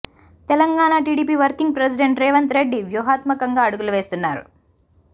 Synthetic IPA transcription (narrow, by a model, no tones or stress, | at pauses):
t̪ɛlɐŋɡaːɳaʈiːɽiːpiːʋɐɾkiŋɡ̚pɾes̬iɖeɳʈɾɛːʋɐnt̪ɾeɖːiʋjuːɦaːt̪mɐkɐŋɡaːɐɽuɡuluʋeːst̪unːaːɾṵ